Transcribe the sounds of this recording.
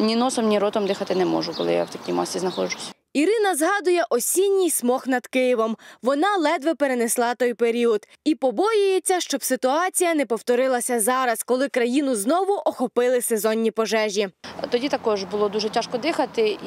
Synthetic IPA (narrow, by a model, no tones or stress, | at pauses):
nʲinɔsɔmnʲiɾɔt̪ɔmd̪ɪxɐt̪ɪnɛmɔ̰ʒʊkɔlˠɪ̰ja̰wt̪ɐkʲijmɑ̰sʲiznɐxɔd͡ʒʊsʲɐ̥ | iɾɪnɐzɦɑd̪ʊjɛʔɔsʲinʲːijsmɔxnɐd̪̥kɪjiʋɔmʋɔnɑlˠɛd̪ʋɛpeɾeneslˠɑt̪ɔjpeɾʲiud̪̥ | ipɔbɔjʊjet͡sʲːɐʃt͡ʃɔbsɪt̪ʊɑt͡sʲijɐnɛpɔwt̪ɔɾɪlˠɐsʲɐzɑɾɐskɔlˠɪkɾɐjinʊznɔʋʊʔɔxɔpɪlˠɪsezɔnʲːipɔʒɛʒʲit̪ɔdʲit̪ɐkɔʒbʊlˠɔd̪uʒɛtʲaʃkɔd̪ɪxɐt̪ɪ